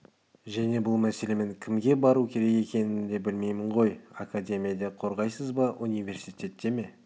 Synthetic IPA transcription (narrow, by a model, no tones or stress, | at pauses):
ʒæne̞bʊlˠmæse̞le̞me̞ŋkʲʰɪmɡʲe̞bɑɾukʲʰe̞ɾe̞ke̞kʲe̞nɪnd̪e̞bɪlme̞jmɪɴʁo̞jakad̪ʲe̞mʲijad̪e̞qʰo̞ɾʁɑjsəzbɑʔunijvʲe̞ɾsijt̪ʲe̞t̪ːe̞me̞